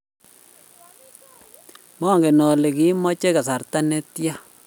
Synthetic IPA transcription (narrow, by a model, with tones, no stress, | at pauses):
mɔ˦˨ŋɡe˨nɔ˨le˨ki˦mɔ˦t͡ʃe˦ka˨sa˨ɾta˦ne˦tja˦